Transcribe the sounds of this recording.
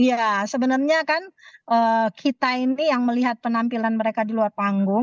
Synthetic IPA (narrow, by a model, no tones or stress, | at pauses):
ijasəbənərɲakanʔəːkʰit̪ainijaŋməliɦat̪̚pənampilanməɾekadiluarpaŋɡʊŋ